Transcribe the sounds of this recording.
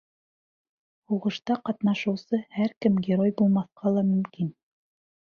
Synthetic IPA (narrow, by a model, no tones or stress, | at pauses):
huʁɤ̆ʃt̪ɑqɑt̪nɑʃɤ̆wsɤhæɾkɘmɡʲɪɾojbulˠmɑθqʰɑlˠɑmɵ̆mkin